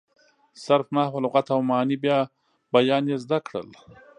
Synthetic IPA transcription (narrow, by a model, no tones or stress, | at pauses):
saɾfnɑːhwalʊɣat̪awmɑːnibjɑ | bajɑːnjezd̪akɽə̰l